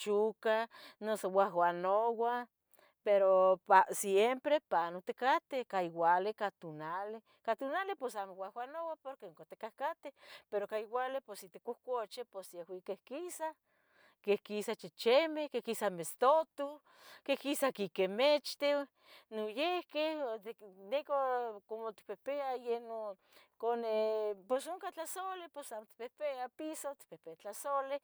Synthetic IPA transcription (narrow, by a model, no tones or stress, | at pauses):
t͡ʃukanosowawanowa | peɾopasjempɾepanot̪ekat̪ehkaiwalekat̪unale | kat̪unalehposamowahwanowapoɾkeuŋkat̪ekahkat̪ehpeɾokaiwalehposit̪ekohkʷot͡ʃeposjehwikehkisa | kehkisat͡ʃet͡ʃemehkehkisamest̪ot̪u | kehkisakikemet͡ʃt̪ew | nojehkeh̪nekokomot̪i̥pepeajeno | koneposoŋkat͡ɬasoleposamot̪i̥pepeapisot̪i̥pepeat͡ɬasole